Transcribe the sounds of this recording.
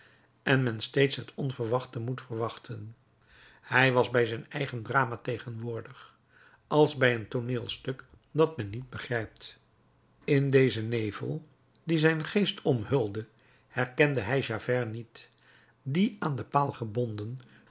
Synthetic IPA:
ʔɛnmɛnstejtsɦətʰɔnvəɹʋɑχtəmutfəɹʋɑχtʰən | hɛjʋɑzbɛjzɛjnɛjχəndraːmatejχənʋʊːɹdəχ | ɑlˠzbɛjəntoneːlˠstɵk | dɑtmɛnːid̚bəχrɛjp̚t | ɪndejzənejvə̰lˠ | dizɛjnχejstʰɔmɦɵlˠdə | hɛɹkɛndəɦɛjʒaːvɛɹnit | diaːndəpaːlˠχəbɔndən

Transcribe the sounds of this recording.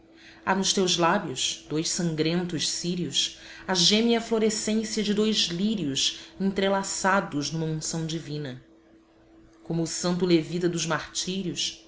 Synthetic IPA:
a̰nʊʃt̪ewzlabjʊʃd̪̥ojʃsɐ̃ŋɡɾẽnt̪ʊʃsiɾiusɐʒẽmiɐfloɾesẽsiɐd͡ʒɪd̪ojzliɾiusẽnt̪ɾelasad̪ʊʒnũmɐũsɐ̃w̃d͡ʒivĩnɐ | kõmʊːsɐ̃nt̪̬ʊlevit̪ɐd̪ʊzmaχt͡ʃiɾiʊs

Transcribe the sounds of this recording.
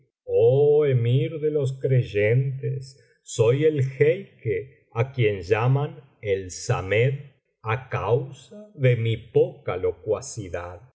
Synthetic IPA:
oemiɾðelo̞s̬kɾeʒent̪esː | ojelxejke | akjenʒaman | elsameð | akawsaðemipokalokwasiðað

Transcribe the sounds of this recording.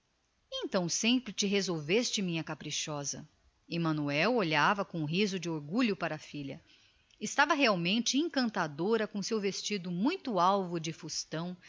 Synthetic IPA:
ẽnt̪ɐ̃w̃sẽmpɾɪt͡ʃɪɦezowvest͡ʃɪmĩɲɐkapɾiʃɔzɐ̰ | emɐ̃nuɛwoʎavɐkõʊ̃ɦizʊd͡ʒɪoɾɡuʎʊpaɾɐːfiʎɐ | ɪst̪avɐɦeawmẽnt͡ʃɪẽŋkɐ̃nt̪ad̪oɾɐkõsewvest͡ʃid̪ʊmũj̃t̪ʊawvʊd͡ʒɪfust̪ɐ̃w̃

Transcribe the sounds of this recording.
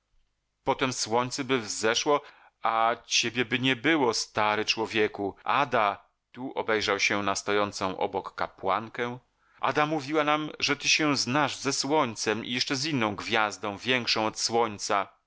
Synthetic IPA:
pɔt̪ɛmswɔɲt̪sɛbɘvzɛʂwɔ | at͡ɕebʲjɛbɘɲɛbɘwɔst̪aɾɛt͡ʂwɔvʲjɛkua̰d̪a | t̪uʔɔ̰bɛjʐawɕɛnast̪ɔjɔnt̪sɔ̃w̃ʔɔ̰bɔkːa̰pwaŋkɛ | ʔa̰d̪amuvʲiwanamʐɛt̪ɘɕɛznaʐzɛswɔɲt̪sɛmḭjɛʂt͡ʂɛzinːɔ̃w̃ɡvʲjazd̪ɔ̃w̃vʲjɛŋkʂɔ̃w̃ɔt̪swɔɲt̪sa

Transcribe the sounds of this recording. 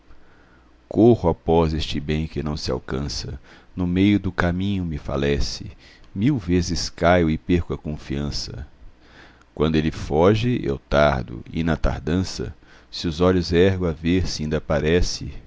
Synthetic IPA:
kʰohʊapɔzest͡ʃɪbẽj̃kɪnɐ̃w̃sɪa̰wkɐ̃sɐ̰nʊmejʊd̪ʊkamĩɲʊmɪfa̰lɛsɪ̰ | miwvezɪskajʊɪpeɾkʊɐkõfiɐ̃sɐ̰ | kwɐ̃nd̪ʊelɪfɔʒɪḛwt̪aɾd̪ʊ̰ɪ̰nɐt̪a̰ɾd̪ɐ̃sɐ̰ | sɪʊzɔʎʊzɛɦɡʊaveɾsɪĩnd̪ɐpaɾɛsɪ

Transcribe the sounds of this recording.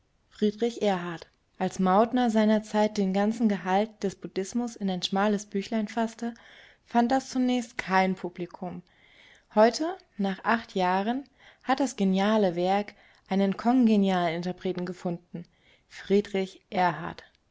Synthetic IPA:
fʁ̥iːdʁɪçʔɛɐɦaɐt | ʔalsmaʊtnɐzaɪnɐt͡saɪt̚d̥eːnɡant͡sn̩ɡəɦalt̚d̥ɛsb̥ud̥ɪsmʊsɪnaɪnʃmaːləsb̥yːçlaɪnfastə | fant̚d̥ast͡sunɛːçstkʰaɪnpʰublikʰʊm | hɔʏtʰə | naːχʔaχtʰjaːʁən | hat̚d̥asɡ̥enjaːləvɛɐk | ʔaɪnənkʰɔŋɡenjaːlənɪntɐpʁ̥eːtn̩ɡəfʊndn̩ | fʁ̥iːdʁɪçʔɛːɐɦa̰ɐt

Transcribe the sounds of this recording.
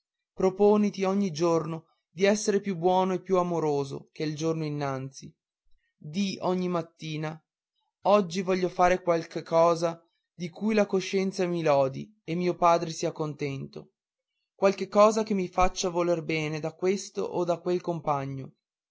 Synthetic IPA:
pɾopoːnit̪iɔɲːid͡ʒorno | d̪iɛsːeɾepjubːwɔːnoepːjuamoɾoːzo̰keild͡ʒornoinːant̪si | d̪iɔɲːimat̪ːiːna | ɔd͡ʒːivɔʎːofaːɾekwalkekʰːɔːza | d̪ikʰujlakoʃːɛnt̪samilɔːd̪ḭ | emːiːopaːd̪ɾesiːakont̪ɛnt̪o | kwalkekːɔːzakemːifat͡ʃːavolerbɛːned̪akwest̪o̰ʔod̪akwelkompaɲːo

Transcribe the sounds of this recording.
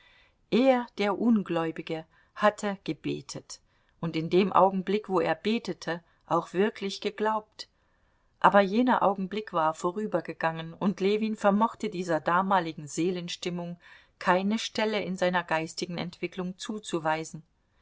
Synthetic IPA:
ʔeːɐd̥eːɐʔʊnɡlɔʏbɪɡə | hatʰəɡ̥əbḛːtʰət | ʔʊntɪndeːmʔa̰ʊɡŋ̩blɪkv̥oːḛːɐbeːtətʰə | ʔaʊxv̥ɪɐkʰlɪçɡ̥əɡlaʊp̚t | ʔa̰ːbɐjeːnɐʔa̰ʊɡŋ̩blɪkv̥aːɐfoːʁ̞yːbɐɡəɡ̥aŋənʊntleːviːnfɛɐmɔχtədiːzɐdaːmaːlɪɡŋ̩zeːlənʃtɪmʊŋ | kʰaɪnəʃtɛləɪnzaɪnɐɡaɪstɪɡŋ̩ɛ̰ntv̥ɪklʊŋt͡suːt͡suvaɪzn̩

